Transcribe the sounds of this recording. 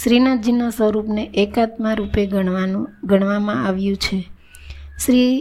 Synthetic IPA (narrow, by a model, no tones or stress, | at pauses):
ʃɾinad͡ʒinasʋəɾupneʔekat̪mãɾupeɡɡʱəɳ̃ʋamãaʋjũt͡ʃʰe | ʃɾi